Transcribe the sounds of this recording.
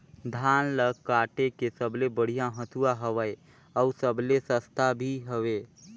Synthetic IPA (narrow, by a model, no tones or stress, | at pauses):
d̪ʱaːnləɡkaːʈekesəblebəɽ̤ijaɦət̪ʰuaɦəʋəe | ɔʊsəblesəst̪ʰabʱiɦəʋeː